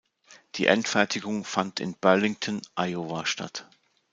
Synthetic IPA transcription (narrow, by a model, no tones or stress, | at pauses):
d̥ḭːʔɛntfɛɐtʰɪɡʊŋfantʰɪ̰nb̥œɐlɪŋtʰɔnʔajovaʃta̰t